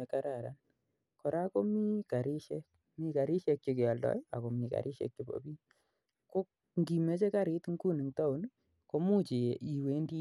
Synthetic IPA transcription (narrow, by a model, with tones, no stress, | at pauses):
e˨ka˦ɾa˨ɾa̰˨n | kɔ˨ɾa˦ko˦mi˦ka˨ɾi˦ʃɛ˦k̚ | mi˦ka˨ɾi˦ʃe˧k̚t͡ʃi˧kɪ˨a˨ldɔ̰˦ja̰˨ko˨mi˨ka̰˨ɾʔi˦ʃḛ˨k̚t͡ʃo˨bo̰˨bi˦ | ko˦k | ŋɡi˨me˦t͡ʃe˦ka˦ɾɪ˨˦tŋɡu˦ni˨ŋta˦u˦n | ko˦mu˦t͡ʃi˨e˨ʔi˨we˦ndi˦